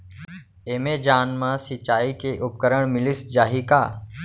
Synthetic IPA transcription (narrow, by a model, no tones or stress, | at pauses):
eːmẽd͡ʒaːnmãsɪt͡ʃaːikeʔʊp̚kəɾəɳ̃mɪlɪsd͡ʒaːɦikaː